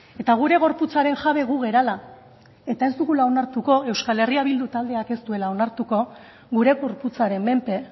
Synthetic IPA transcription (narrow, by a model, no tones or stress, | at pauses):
e̞t̪aɣ̞uɾe̞ɣ̞o̞ɾput͡saɾe̞nʝaβe̞ɣ̞uɣe̞ɾala | e̞t̪ae̞zd̪uɣulao̞naɾt̪uko̞e̞wskale̞riaβild̪ut̪ald̪e̞ake̞st̪ue̞lao̞naɾt̪uko̞ | ɣuɾe̞ɣo̞ɾput͡saɾe̞mme̞mpe̞